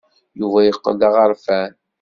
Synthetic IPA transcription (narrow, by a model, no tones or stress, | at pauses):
juvæjəqːə̰dɑʁəɾˤfæn